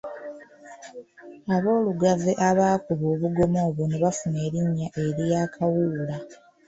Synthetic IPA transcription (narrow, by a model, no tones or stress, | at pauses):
aβo̞ːluɡaveʔaβaːkuβoːβuɡo̞mo̞ːβoneβafune̞ːɾiɲːaʔe̞ɾjaːkʰawuːla